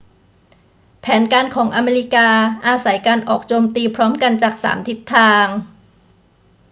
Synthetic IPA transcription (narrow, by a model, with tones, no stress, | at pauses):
pʰɛː˩˦nkaː˧nkʰɔː˩˦ŋʔa˧meː˧li˦˥kaː˧ʔaː˧sa˩˦jkaː˧nʔɔː˨˩k̚t͡ɕoː˧mt̪iː˧pʰɾɔː˦˥mka˧nt͡ɕaː˨˩k̚sa̰ː˩˦mt̪ʰi˦˥t̪ʰːaː˧ŋ